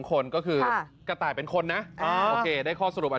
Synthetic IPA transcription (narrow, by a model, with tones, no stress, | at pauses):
ŋkʰo˧nkɔː˥˩kʰɯː˧ka˧t̪aː˨˩jpe˧nkʰo˧nːa˦˥ʔoː˧eː˧daː˥˩jkʰɔː˥˩sa˧ɾu˨˩p̚ʔa˨˩